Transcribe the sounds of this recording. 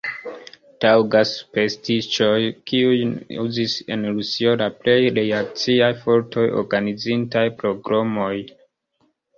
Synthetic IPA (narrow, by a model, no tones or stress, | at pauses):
tawɡaspe̞stit͡ʃo̞jkiujṵzise̞̰nɾusio̞laple̞jɾeak̚t͡siajfo̞ɾtʰo̞jo̰ɾɡanizintajpɾo̞ɡɾomo̞j